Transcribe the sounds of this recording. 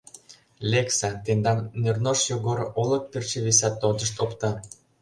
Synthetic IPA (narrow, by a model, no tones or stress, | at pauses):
lʲeksæt̪end̪ɑnːernoʃjoɣoɾolɤ̆k̚pirt͡ɕĕβisɑt̪ːod̪ə̆ʃt̪opt̪ɑ